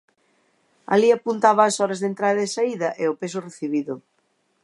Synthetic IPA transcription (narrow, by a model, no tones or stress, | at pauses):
a̰liapunt̪aβɐːsɔɾɐzðent̪ɾaðɐðɪsaiðɐʔeʊpes̬ʊreθiβ̞iðʊ